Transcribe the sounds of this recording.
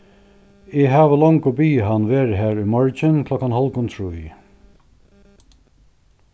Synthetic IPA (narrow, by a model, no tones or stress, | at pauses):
ɪɦaːʋəlɔŋkʊbiːɦanːʋeːɾɪɦæːɹujmɔɹt͡ʃɪnkʰlɔkːanhɔlkʊnt̪ʰɹuj